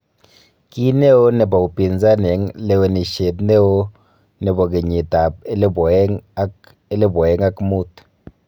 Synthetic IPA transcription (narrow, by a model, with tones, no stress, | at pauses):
ki˦ne˦o˦nɛ˨ba˨u˨pi˨nza˦nɛ˨˦ŋle˦we˨ni˨ʃe˨t̪ne˦wo˦ | nɛ˨bɔ˨k̬e˨ɲi˨ta˨p̚e˦lbɔ˨ɛ˦ŋ˦ | e˦lɛ˦bɔ˨ɛ˦ŋa˦kmu˦t̪